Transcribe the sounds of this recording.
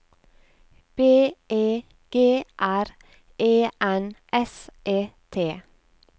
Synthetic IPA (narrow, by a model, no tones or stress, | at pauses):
b̥eːʔeː | ɡ̥eːʔæɾ | ʔeːʔɛnʔɛsʔeːt̪ʰeː